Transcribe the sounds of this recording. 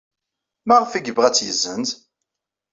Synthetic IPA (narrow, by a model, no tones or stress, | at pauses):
mæʁəfiɡəbʁæt͡sːjəzənt̪